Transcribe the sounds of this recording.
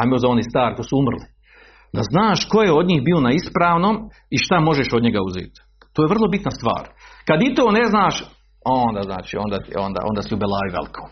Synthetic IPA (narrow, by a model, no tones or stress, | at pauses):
amiozaonist̪aːɾkojsuumr̩li | d̪aznaːʃko̞jeo̞d̪ɲiːxbiːo̞naispɾaːʋnoːm | iʃt̪amo̞ʒeʃo̞d̪ɲe̞ɡauzḛːt̪ | t̪oːjevr̩lˠo̞bit̪nast̪ʋa̰ːɾkad̪it̪oːneznaːʃ | ond̪aznaːt͡ʃḭːoːnd̪aːt̪ḭond̪a̰ːo̰ːnd̪aːsiubelaːjiʋḛlikʰo̥